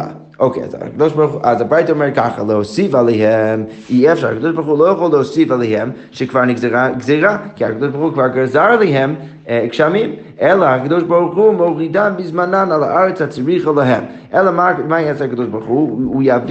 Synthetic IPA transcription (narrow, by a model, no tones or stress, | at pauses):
a̰ | okʰḛa̰za̰kdoʃbaɾχuʔazabɾajtəɔmɛɹkaχəlˠəhosifalˠɛɦɛm | iɛfʃaɾhakad̪oʃbaɾχulˠojaχolˠləhosifalˠejhɛm | ʃɛkv̥aɾnizaɡzeʁakʰiakadoʃbaɾχukvaɾɡazaɾlˠeɦɛm | kʃamim | ɛlˠəhakadoʃbaɾχumoʁidambɪzmananalˠa̰ʔaɾət͡shat͡sɾiχəlˠəɦɛm | ɛlˠəmamaɛt͡sakadoʃbaɾχuːjavd